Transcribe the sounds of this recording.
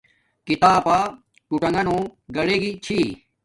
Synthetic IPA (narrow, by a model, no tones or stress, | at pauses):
kit̪aːpaː | kuʈɐŋɡɐnõːɡɐɽeːɡit͡ɕʰi